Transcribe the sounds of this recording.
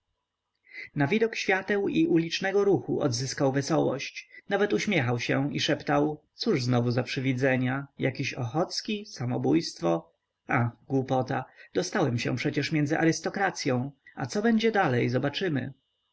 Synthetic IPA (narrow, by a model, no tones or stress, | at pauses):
navʲid̪ɔkɕfʲjat̪ɛwiʔulʲit͡ʂnɛɡɔɾuxṵʔɔ̰d̪zɘskawvɛsɔwɔ̰ɕt͡ɕnavɛt̪uɕmʲjɛxawɕɛiʂɛpt̪awt̪suʐznɔvuzapʂɘvʲid̪zɛɲajakʲiɕɔxɔt̪skʲisamɔ̰bujst̪fɔ | axɡwupɔt̪ad̪̥ɔst̪awɛmɕɛ̰̃pʂɛt͡ɕɛʂmʲjɛnd̪zɘʔaɾɘst̪ɔkɾat̪sʲjɔ̃w̃a̰t̪sɔbɛɲd͡ʑɛd̪alɛjzɔbat͡ʂɘmɘ̰